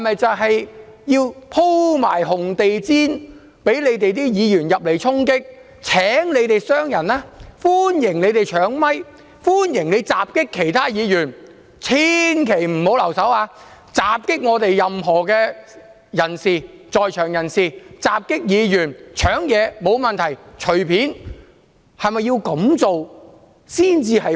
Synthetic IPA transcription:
ɐ˨˩mɐ˨jt͡sɐ˨wɦɐ˨j | jiː˧wpʰo˥wma̰ː˨˩jɦʊ˨ŋt̪e˨jt͡siː˥n | pe˨˥jle˨˧jt̪e˨jt̪iː˥jiː˨˧jyː˨˩njɐ˨p̚le˨˩jt͡sʰʊ˥ŋkɪ˥k̚ | t͡sʰɛː˨˥ŋle˨˧jt̪e˨jsœː˥ŋjɐ˨˩naː˥fuː˥njɪ˨˩ŋle˨˧jt̪e˨jt͡ʃʰœː˨˥ŋmɐ˥j | fuː˥njɪ˨˩ŋle˨˧t͡saː˨p̚kɪ˥kʰːe˨˩jt̪ʰaː˥jiː˨˧jyː˨˩n | t͡sʰiː˥nkʰe˨˩jm̩˨˩ho˨˥wlɐ˨˩wsɐ˨˥waː˧ | t͡saː˨p̚kɪ˥k̚ŋɔː˨˧t̪e˨jːɐ˨mɦɔː˨˩kɛː˧ | jɐ˨˩nsiː˨t͡sɔː˨jt͡ʃʰœː˨˩ŋjɐ˨˩nsiː˨t͡saː˨p̚kɪ˥k̚jiː˨˧jyː˨˩nt͡ʃʰœː˨˥ŋjɛː˨˧mo˨˧wmɐ˨nt̪ʰɐ˨˩jt͡ʃʰɵ˨˩ɥpʰiː˨˥n | hɐ˨jmɐ˨˧jːiː˧wkɐ˨˥mt͡so˨w | siː˥nt͡siː˧hɐ˨j

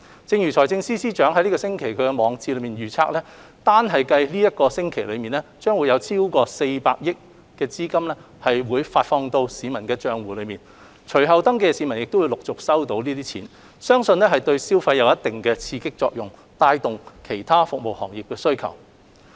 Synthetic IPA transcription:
t͡sɪ˧ŋjyː˨˩t͡sʰɔː˨˩jt͡sɪ˧ŋsiː˥siː˥t͡ʃœː˨˥ŋɦɐ˧˥li˥kɔ˧sɪ˥ŋkʰe˨˩jkʰɵ˨˧ɥkɛ˧mɔː˨˧ŋt͡siː˧lɵ˨˧miː˨nɥyː˨t͡sʰaː˧k̚lɛː˥ | t̪aː˥nɦɐ˨jkɐ˧jliː˥jɐ˥t̚kɔː˧sɪ˥ŋkʰe˨˩jlɵ˨˧miː˨nɛ˥t͡ʃœː˥ŋwuː˨˧jɐ˨˧wt͡sʰiː˥wkɔː˧se˧jpaː˧k̚jɪ˥kː | ɛː˧t͡siː˥kɐ˥mlɛ˥ | hɐ˨jwuː˨˧jfaː˧t̚fɔː˧ŋt̪o˧wsiː˨˧mɐ˨˩nkɛː˧t͡ʃœː˧ŋwuː˨˩lɵ˨˧ɥmiː˨˩n | t͡ʃʰɵ˨˩ɥɦɐ˨wt̪ɐ˥ŋk̬e˥˧jsiː˨˧mɐ˨˩njɪ˨k̚t̪o˥wu˨˧jlʊ˨k̚t͡sʊ˨k̚sɐ˥wt̪o˨˥wniː˥t̪iː˥t͡sʰḭː˨˥n | sœː˥ŋsɵ˧nɛ˥ɦɐ˨jt̪ɵ˧ɥsiː˥wfɐ˧jɐ˨˧wjɐ˥t̪ɪ˨˩ŋkɛː˧t͡sʰiː˧kɪ˥k̚t͡sɔ̰ː˧k̚jʊ˨˩ŋ | t̪aː˧jt̪ʊ˨ŋkʰe˨˩jt̪ʰaː˥fʊ˨k̚mo˨˩whɔ̰ː˨˩ŋjɪ˨k̚ːɛː˧sɵ˥ɥkʰɐ̰˨˩w

